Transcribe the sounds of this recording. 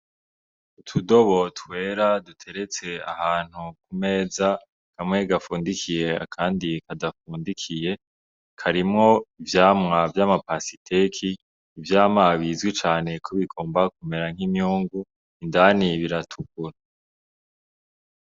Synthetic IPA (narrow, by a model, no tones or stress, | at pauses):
utʰudo̞βo̞twe̞ːɾadutʰe̞ɾe̞t͡se̞a̰haːn̥huk̚ume̞ːza | kamŋe̞ɡafuːndikʰije̞a̰kʰaːndikadafuːndikʰije̞ | kʰaɾimŋo̞ivjaːmŋavjaːmapasitʰekʰiː | vjaːmaβiːzɡwit͡ʃaːne̞kʰoβikʰoːmbak̚ume̞ɾaŋhimjuːŋɡu | indaniβiɾatʰukuɾa